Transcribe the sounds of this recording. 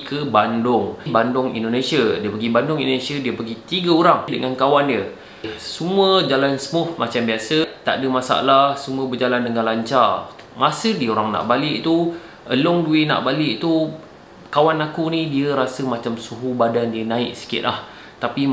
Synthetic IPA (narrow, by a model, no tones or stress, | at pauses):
kʰəbandʊŋbandʊŋḭndonẽsiədiəpəɡibandʊŋḭndonesiadiəpəɡit̪iɡəoɾaŋdəŋankawandiə | sumuəd͡ʒalansəmʊhmat͡ʃambiasət̪a̰ʔdəmasa̰lahsumũəbəd͡ʒalandəŋanlaɲt͡ʃa | masədiəoɾaŋna̰ʔbalɪʔt̪u | ʔə̰lʊŋduɪʔna̰ʔbalɪʔt̪u | kawanakunĩdiəɾasəmat͡ʃamsuɦubadandiənãɪʔsi̥kɪ̰t̪lah | t̪api